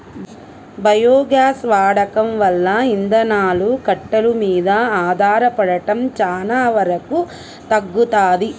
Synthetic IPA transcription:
bɐjoːɡjaːsʋaːɽɐkɐmʋɐlːɐind̪ɐnaːlukɐʈːɐlumiːd̪ɐaːd̪ʱaːɾɐpɐɽɐʈɐmt͡ʃaːnaːʋɐɾɐku | t̪ɐɡːut̪aːd̪i

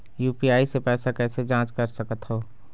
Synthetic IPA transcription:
juːpiaːisepɛːsakɛːsed͡ʒãːt͡ʃkəɾsəkət̪ɦoː

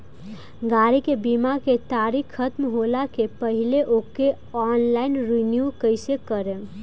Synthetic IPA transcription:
ɡaɾikebimaket̪aɾikʰːət̪mɦolakepəɦileʔoke | ɔnlaɪnɾinjukəɪsekəɾe

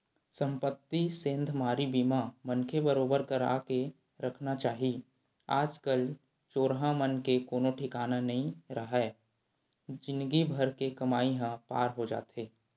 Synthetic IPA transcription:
sə̃mpət̪ːisẽːnd̪ʱmaːɾibimamənkʰebəɾoːbəɾkəɾa̰ːke | ɾəkʰnat͡ʃaːɦi | a̰ːd͡ʒkəl | t͡ʃoːɾɦãmənkekoːnoʈʰɪkaːnanɐɦĩɾəɦɛː | d͡ʒɪnɡibʱəɾkekɐmaːiɦãpa̰ːɾɦod͡ʒa̰ːt̪ɦeː

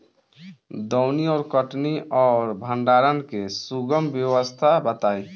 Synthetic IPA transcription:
d̪ɔʊniɔːɾkəʈniɔːɾbʱəɳɖaɾənkesuɡəmbjəwəst̪ʰabət̪aj

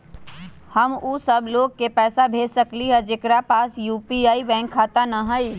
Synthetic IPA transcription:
həmuːsəbʱloːɡ̚kepɛːsabʱeːsəkliɦəd͡ʒekɾapaːsjuːpiaːiʋɛ̃ːŋkʰːaːt̪anəɦəi

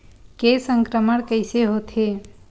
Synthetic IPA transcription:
kesə̃ŋkɾəməɽkəɪseɦot̪ʰe

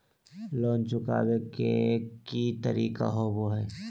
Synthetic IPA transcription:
loːnt͡ʃʊka̰ːwekḛkit̪əɾiːka̰ɦoboɦɛː

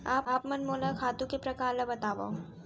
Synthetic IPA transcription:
aːpaːpmənmoːlakʰaːt̪ũkepɾɐkaːɾlabɐt̪aːʋa̰o

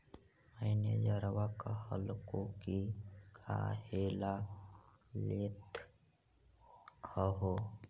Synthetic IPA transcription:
mənḛd͡ʒəɾʋakahə̰lkõkikʰa̰heːla | let̪ | həɦo

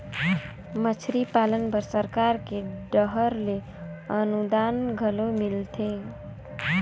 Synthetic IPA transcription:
mət͡ʃʰɾipalənpəɾsəɾkaɾkeɖəɦəɾle | ənud̪anɡʱəlomilt̪ʰe

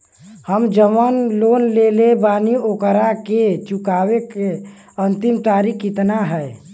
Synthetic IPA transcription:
həmd͡ʒəʋənlonlelebaniokəɾaket͡ʃukaːweke | ənt̪imt̪aɾikʰːit̪naɦɛɛ

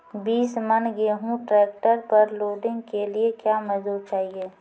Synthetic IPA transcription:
biːsmənɡeɦũʈɾɛːk̚ʈəɾpɐɾloːɖɪ̃ŋɡkeliekjaːmɐd̪uːɾt͡ʃaːɦieː

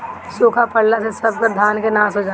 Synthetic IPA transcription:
soːkʰapəɽlasesəb̚kəd̪ʱaːnkenãːsɦod͡ʒaː

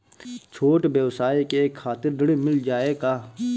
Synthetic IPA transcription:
t͡ʃʰoːʈbjeʋsaːikekʰːaːt̪ɪɾd̪əɽmɪld͡ʒaːekaː

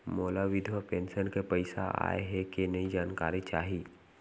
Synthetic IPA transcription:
moːlaʋɪd̪ʱʋapẽːnsənkepɐɪsa̰a̰ːḛɦɛkenɐĩd͡ʒaːnkaːɾit͡ʃaːɦiː

